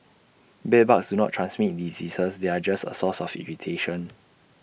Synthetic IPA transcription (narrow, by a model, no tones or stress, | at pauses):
bɛbaksdunɔ̰tʰːɹãnsmit̚dizisəsdead͡ʒastə̰sɔsɔfḭɹitʰeʃɔ̃n